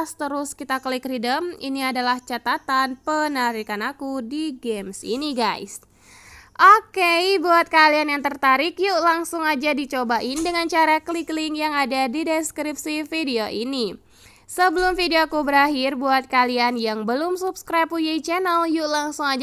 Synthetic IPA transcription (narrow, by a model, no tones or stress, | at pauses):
st̪əɾʊskit̪akəlikridəmḭniadalaht͡ʃat̪at̪anpənaɾikanakudiɡɛmsḭniɡajs | ʔokejbuat̪̚kalianjaŋt̪ərt̪aɾɪkjuʔlaŋsʊŋad͡ʒadit͡ʃobaʔindəŋant͡ʃaɾakəliklɪŋjaŋadadidɛskɾip̚sifidioʔini | səbəlʊmfideokubəɾaɦɪrbuat̪̚kalianjaŋbəlʊmsupskɾapujait͡ʃɛnəljulaŋsʊŋad͡ʒ